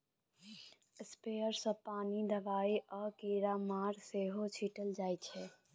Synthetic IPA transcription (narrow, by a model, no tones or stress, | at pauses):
speəɾsəpaːnid̪əbaːiəkeɾamaɾseɦot͡ʃʰiʈəld͡ʒajt͡ʃʰɛ